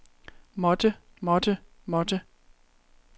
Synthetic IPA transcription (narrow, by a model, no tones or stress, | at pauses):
mɔd̥ə | mɒd̥ə | mɔd̥ə